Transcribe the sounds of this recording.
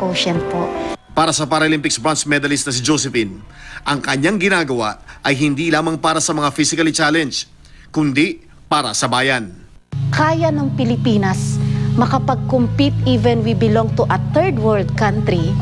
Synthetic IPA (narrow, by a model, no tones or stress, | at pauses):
koʃɛnpoʔpaːɾɐsɐpɐɾɐʔolimpɪksbɹansmɛd̪ɐlɪst̪nɐs̬ɪd͡ʒosɛfinʔɐŋkɐɲaŋɡɪnaːɡɐwaʔɐjɦɪnd̪iːlaːmɐŋpaːɾɐsɐmɐŋafisɪkɐlit͡ʃaːlɛnd͡ʒ | kʊnd̪i | paːɾɐ̰sɐbaːjɐn | kaːjɐnɐŋpɪlɪpiːnɐsmɐkɐpɐɡ̚kompit̪̚ivɛnwibɪloŋt̪uʔɐt̪ɛɹd̪wɛld̪̚kãnt̪ɾi